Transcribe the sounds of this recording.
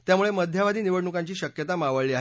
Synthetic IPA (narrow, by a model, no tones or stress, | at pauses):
t̪jamuɭeməd̪ʱjaʋad̪iːniʋəɽɳukaɲt͡ɕiːɕəkjət̪amaʋəɭiːaɦ